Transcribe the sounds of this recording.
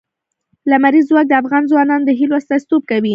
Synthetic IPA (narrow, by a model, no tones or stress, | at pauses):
lamaɾizːwɑk̚d̪əafɣɑnzwɑnɑnod̪əɦiloast̪ast̪ob̚kawi